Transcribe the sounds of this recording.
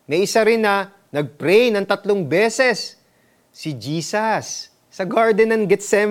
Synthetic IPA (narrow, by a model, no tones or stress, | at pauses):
nɐʔɪsaɾɪnːɐ | nɐɡ̚pɾɛjnɐŋt̪ɐt̪loŋbɛːsɛsː | ɪd͡ʒiːsɐsː | ɐɡaɹd̪ɛnɐnɡɛt̪sɛm